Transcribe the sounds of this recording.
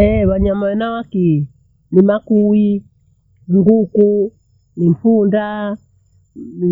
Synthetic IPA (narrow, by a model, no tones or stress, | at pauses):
ɛwaɲamawɛnawaki | nimakuwi | ŋɡuku | nim̩punda | ni